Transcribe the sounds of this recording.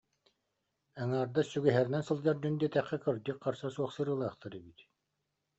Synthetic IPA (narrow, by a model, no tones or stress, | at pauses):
ɛŋaːɾd̪asyɡɛɦɛɾinɛnsɯlˠd͡ʑɑɾd̪ynd̪iɛt̪ɛχːɛkɯɾd͡ʑ̪iqːaɾsasuɔχsɯɾɯːlˠaːχt̪ʰɯɾɛbit̪